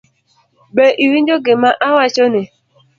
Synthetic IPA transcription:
beʔiɾind͡ʒoɡemaʔawat͡ʃone

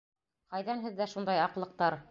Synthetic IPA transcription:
qɑjðænɦɘ̆ðːæʃund̪ɑjɑqlˠɤ̆q̚t̪ɑɾ

